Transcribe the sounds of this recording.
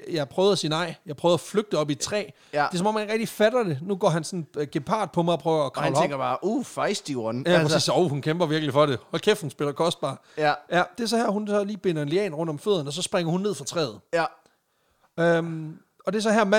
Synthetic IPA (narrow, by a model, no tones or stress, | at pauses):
jɑɪpʰʁœːʊð̩ˠæsiːnɑ̈ɪ̰jɑ̈ɪpʰʁœːæfløɡ̥̚d̥əɒ̽b̥it͡sʰʁɛ̰ː | e̝sɒmɒ̽mhæneɡ̥ʁɛɡ̥̚d̥ifæɾ̥ɐd̥e̝nuɡ̥ɒ̰ːɦænsɒ̽nɡ̥e̝pʰɑ̰̈ːd̥̚pʰɒ̽mɑ̈ɪɒpʰʁœːʊɐːkʰɑʊlɒeŋɡɐb̥ɑːʔufɑɪsd̥juɐnjæsḭːsoʊ̰hunkʰemb̥ɐʋiɐɡ̥lifɒ̽ɾehɒlkʰefhun̩sb̥e̝lɐkʰɒ̽sd̥̚b̥ɑ̈ː | æjæd̥e̝æɐsɒ̽hæɐ̰ɦhunsɒ̽liːb̥e̝nɐenliɛ̰ːnʁɔ̽n̰d̥ɒ̽mføð̰ˠɐn̩ɒ̽s̬ɒ̽sb̥ʁɛŋ̰ɐhunːe̝ð̰ˠfʁɑ̈t͡sʰʁɛ̰ːð̞̩ˠ | ø | ɒ̽d̥e̝æɐsɒ̽ɦæɐ̰mæ